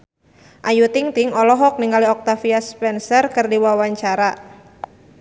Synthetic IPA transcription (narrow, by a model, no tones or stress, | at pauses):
ʔajut̪iŋt̪iŋɔlɔɦɔk̚niŋaliɔk̚t̪afiaspɛnsərkɨrdiwawaɲt͡ʃaɾa